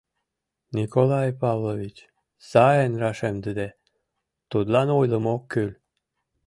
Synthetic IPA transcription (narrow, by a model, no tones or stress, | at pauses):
nikolɑjpɑvlovit͡ɕ | sɑenrɑʃemd̪əd̪e | t̪ud̪lɑnojləmokːylʲ